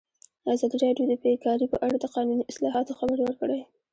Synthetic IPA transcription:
ɑzɑd̪iɾɑɖjod̪əbekɑɾipəʔaɽad̪əqɑnuniʔɪslɑɦɑt̪oxabəɾwəɾkəɽaj

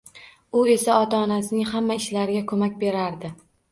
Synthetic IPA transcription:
ʊe̞saɒt̪ʰaɒnasɪnɪŋhamːaɪʃlaɾɪɡʲakʰɵmak̚ʲbe̞ɾaɾd̪ɪ

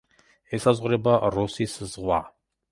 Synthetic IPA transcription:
ɛsazʁʷɾɛbaɾɔsiszʁwa

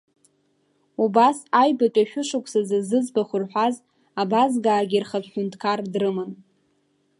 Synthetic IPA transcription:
ubasajbatʼaʃᶣʊʂakʷʰʼsazɨzɨd͡zbaχʷʊrħʷᶣaz | abazɡaːɡʲirχapʰʼħʷʊntʰʼkʰardrɨmɨn

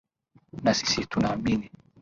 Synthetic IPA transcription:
nasi̥sit̪unaːmini

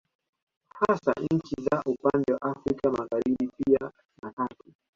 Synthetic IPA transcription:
hasa̰ɲɲ̩t͡ʃizaʔupandɛwa̰ʔafɾikamaɣaɾiɓipia | natatu̥

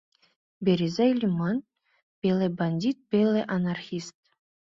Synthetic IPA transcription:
bʲeɾʲizalʲiman | b̥ʲelˠebanʲd̪ʲit̪̚bʲelˠeʔɐnarxʲist̪

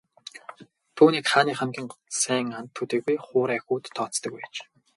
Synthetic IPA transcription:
t̪ʰuːniːkχaːniːχæmɡʲiːŋɢɔsæːŋant̪ʰːut̪eːɣujχʊːɾæxʲuːt̪ʰːɔːt͡st̪ə̆kwæt͡ɕ

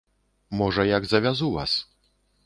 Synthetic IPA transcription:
mɔʐɐjaɡzɐvʲazuva̰s

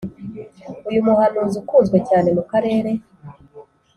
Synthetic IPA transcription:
ujumuhanuːzukuːnzɡwe̞caːne̞mukaɾe̞ːɾe̞

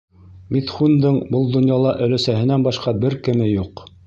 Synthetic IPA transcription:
mit̪χund̪ɤɴbɤlˠd̪ŏnjɑlˠɑʔɵ̆læsæhɘ̆nænbɑʃqɑbɘɾkɘ̆mɘjuq

